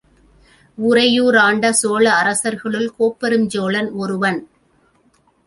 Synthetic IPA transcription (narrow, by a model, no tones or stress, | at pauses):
ʊɾɐjuːɾaːɳɖɐsoːɭɐːɾɐsɐɾɣɐɭɯlkoːpːɐɾɯmd͡ʒoːɭɐnɔɾɯʋɐn